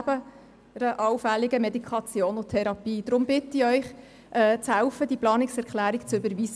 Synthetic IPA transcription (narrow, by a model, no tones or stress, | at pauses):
b̥ə | ɾəʔɑlfæliɡəmɛd̪ikʰɑt͡sjoːnʊtʰɛɾɑpiːd̥̪ɾʊmb̥ɪtəiœʏχ | ʔɛːt͡shæʊfəd̪iplɑːnɪksɛɾkχlæːɾikt͡sʏbəɾʋis